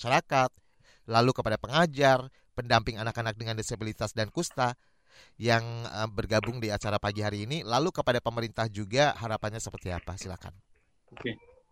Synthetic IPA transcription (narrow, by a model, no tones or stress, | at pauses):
ʃaɾakat̪̚ | lalukəpadapəŋad͡ʒar | pəndampɪŋanakanak̚dəŋandesabilit̪asdankust̪a | jaŋəbərɡabʊŋdiat͡ʃaɾapaɡiɦaɾiːnilalukəpadapəməɾint̪ahd͡ʒuɡahaɾapanɲasəpərt̪ia̰pasila̰ka̰n | oke